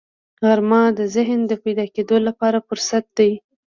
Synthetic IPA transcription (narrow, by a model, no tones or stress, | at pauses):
ɣaɾmɑd̪əzɪɦnd̪əpajd̪ɑked̪olapɑɾafʊɾsat̪̚d̪aj